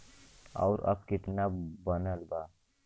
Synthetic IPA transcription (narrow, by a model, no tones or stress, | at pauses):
ɔ̰ʊɾɐ̰b̚kɪt̪nabənəlbaː